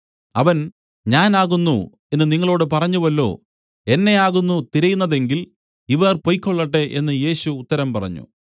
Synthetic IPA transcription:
ɐʋɐn | ɲaːnaːɣunːṵ | e̞nːɨniŋːɐɭo̞ːɽɨpɐrɐɲːuʋɐlːo̞̰ː | enːe̞aːɣunːut̪iɾɐjunːɐðe̞ŋɡil | iʋɐrpo̞jkʲːo̞ɭːɐʈːe̞ʔenːɨje̞ːɕuːt̪ːɐɾɐmpɐrɐ̰ɲːṵ

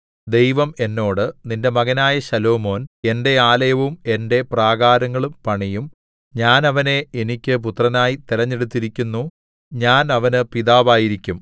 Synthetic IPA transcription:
d̪e̞jʋɐme̞nːo̞ːɽɨninde̞mɐɣɐnaːjɐɕɐlo̞ːmo̞ːne̞nde̞aːlɐjɐʋume̞nde̞praːɣaːɾɐŋːɐɭumpɐɳijum | ɲaːnɐʋɐne̞enikʲːɨp̬ut̪rɐnaːjit̪iɾɐɲːe̞ɽut̪ːiɾikʲːunːu | ɲaːnɐʋɐnɨpiðaːʋaːjiɾikʲːum

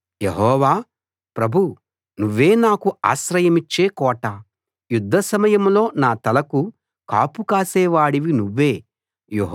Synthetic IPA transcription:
jeɦɔːʋaː | pɾɐbʱu | nuʋːe̞ːnaːkua̰ːsɾɐjɐmit͡ʃːeːkɔːʈɐ | jud̪ʱːɐsɐmɐjɐmlo̞ːnaːt̪ɐlɐku | ka̰ːpukaːsɛːʋaːɽiʋinuʋːeː | jeɦ

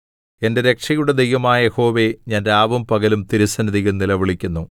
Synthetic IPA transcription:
e̞nde̞ɾe̞kʂɐjuɽed̪ejʋɐmaːjɐjeho̞ːʋe̞ɲaːnɾaːʋɐmpɐɣɐlumt̪iɾisɐnɐðiɣɐlnilɐʋiɭikʲːunːu

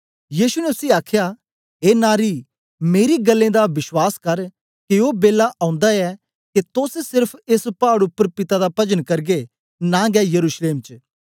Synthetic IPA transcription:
jiːsunɛʊsiaːkʰja | eːnaːɾi | meːɾiɡɐlːẽd̪aʋɪʃwaːskɐɾ | keoːbeːlaʔãʊ̃nd̪aɛ | ket̪ossɪɾpʰɪspaːɽʊpːəɾpɪt̪ad̪apɐd͡ʒənkɐɾɡe | naːɡɛjɐɾuːʃleːmt͡ʃ

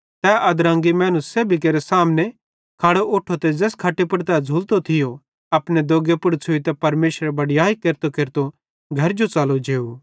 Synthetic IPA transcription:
t̪ɛʔɐd̪ɾãːŋɡimɛ̃ːnuseːbʱik̬eːɾesaːmne | kʰaːɽooːʈʰot̪ɛd͡zɛːskʰaʈːepɐɽt̪ɛːd͡zʱuːlt̪ot̪ʰɪjo | ɐpned̪oːɡepʊɽt͡sʰʊit̪ɛpɐɾmeːʃɾebɐɽɪjaːikeːɾt̪okeːɾt̪o | ɡʱɐɾd͡ʒot͡saːlod͡ʒeːu

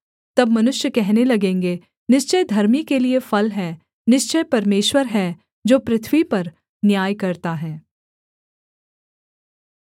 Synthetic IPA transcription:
t̪ɐbmɐnʊʃjəkɛɦnelɐɡẽːŋɡe | nɪʃt͡ʃəjd̪ʱɐɾmikeliefɐlɦɛ̃ | nɪʃt͡ʃəjpɐɾmeːʃwəɾɦɛ | d͡ʒoːpɾɪt̪ʰwipɐɾ | njaːjkɐɾt̪aɦɛ̃ː

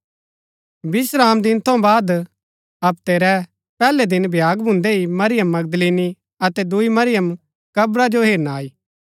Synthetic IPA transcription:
bɪsɾaːmd̪ɪnt̪ʰõbaːd̪ | ɐp̚t̪eːɾɛ | pɛːlɛd̪ɪnbʱjaːɡbʱʊ̃nd̪eɦimɐɾɪjəmːɐɡ̚d̪leːni | ɐt̪ɛd̪ʊimɐɾɪjəm | kɐbɾad͡ʒoɦeːɾnaːiː

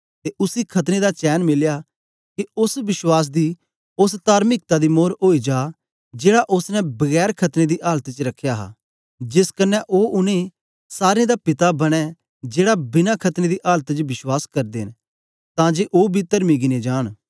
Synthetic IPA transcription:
t̪eʔʊsikʰɐt̪ned̪at͡ʃɛːnmɪlja | kiʊsʋɪswaːs̬d̪i | ʊst̪aːɾmɪk̚t̪ad̪imoːɾoːid͡ʒaː | d͡ʒeːɽaʔʊsnɛ̃bɐɣɛːɾkʰɐt̪ned̪iʔaːlt̪it͡ʃəɾɐkʰːjaːɦa̰ | d͡ʒɪskənɛʔoːʔʊnẽ | saːɾẽd̪apɪt̪abɐɽ̃ɛ | d͡ʒeːɽabɪnakʰɐt̪ned̪iʔaːlt̪ət͡ʃʋɪswaːskɐɾd̪eɦɪn | t̪ãːd͡ʒeːʔoːbʱit̪ɐɾmiɡɪned͡ʒaːn

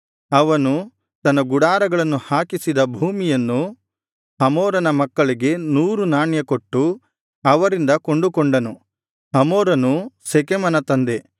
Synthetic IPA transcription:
ɐʋɐnu | t̪ɐnːɐɡuɽaːɾɐɡɐɭɐnːuhaːkisid̪ɐbʱuːmijɐnːu | ɐmɔːɾɐnɐmɐkːɐɭiɡe̞nuːɾunaːɳjɐko̞ʈːu | ɐʋɐɾind̪ɐko̞ɳɖukoɳɖɐnu | ɐmoːɾɐnusekemɐnɐt̪ɐnd̪e̞

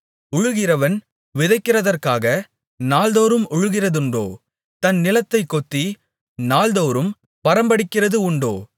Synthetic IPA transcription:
ʊɻʊɣɪrɐʋɐn | ʋɪðɐɪkːɪrɐðɐrkaːɣɐ | naːld̪oːɾɯmʊɻʊɣɪrɐðʊɳɖo̰ː | t̪ɐnnɪlɐt̪ːɐɪkːɔt̪ːi | naːld̪oːɾɯm | pɐɾɐmbɐɽɪkːɪrɐðɯʊɳɖo̰ː

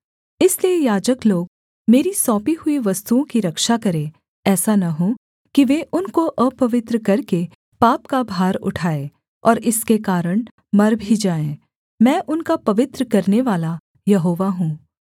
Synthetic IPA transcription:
ɪsliejaːd͡ʒəkloːɡ | meːɾisɔːpiɦʊiʋɐst̪uõkiɾɐkʃakɐɾẽ | ɛːsanɐɦũ | kiʋeːʔʊnkoʔəpɐʋɪt̪ɾəkɐɾke | paːpkabʱaːɾʊ̰ʈʰaːeː | ɔːɾɪskekaːɾəɽ̃ | mɐɾbʱid͡ʒaːẽː | mɛ̃ːʔʊnkapɐʋɪt̪ɾəkɐɾneʋaːla | jɐɦoːʋaɦũː

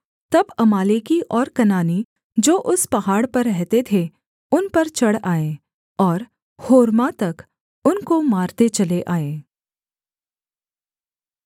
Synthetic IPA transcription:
t̪ɐbɐmaːlekiʔɔːɾkɐnaːni | d͡ʒoːʔʊspɐɦaːɽpɐɾːɛɦt̪et̪ʰe | ʊnpɐɾt͡ʃɐɽaːẽː | ɔːɾ | hoːɾmat̪ɐk | ʊnkomaːɾt̪et͡ʃɐleʔaːẽː

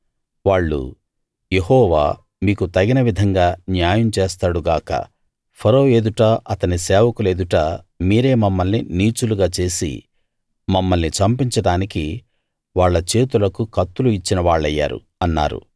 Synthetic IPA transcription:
ʋaːɭːṵ | je̞ɦɔːʋa̰ː | miːkut̪ɐɡinɐʋid̪ʱɐŋɡaːnjaːjɐmt͡ʃeːst̪aːɽuɡaːkɐ̰ | pʰɐɾo̞ːe̞ːd̪uʈaːʔɐt̪ɐnisɛːʋɐkule̞ːd̪uʈaː | miːɾe̞ːmɐmːɐlnːiniːt͡ʃuluɡaːt͡ʃe̞ːsḭ | mɐmːɐlnit͡ʃɐmpiɲt͡ʃɐɽaːniki | ʋaːɭːɐt͡ʃe̞ːt̪ulɐkukɐt̪ːuluit͡ʃːinɐʋaːɭːɐjːa̰ːɾṵ | ɐnːa̰ːɾṵ

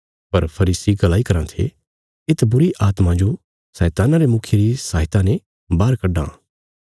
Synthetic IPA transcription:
pɐɾpʰɐɾiːsiɡɐlaːikɐɾãt̪ʰḛ | ɪt̪bʊɾiʔaːt̪mãd͡ʒo | sɛːt̪aːnaɾemʊkʰjeɾisaːɦɪt̪ãnẽ | baːɾkɐɖã̰ː

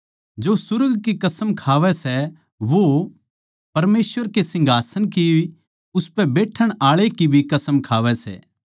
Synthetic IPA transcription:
d͡ʒosʊɾɡkikɐsəmkʰaːʋɛsɛ | ʋo | pɐɾmeːsʋəɾkesɪ̃ŋɡʱaːsənki | ʊspɛbeːʈʰəɽ̃aːɭekibʱikɐsəmkʰaːʋɛsɛ̰ː

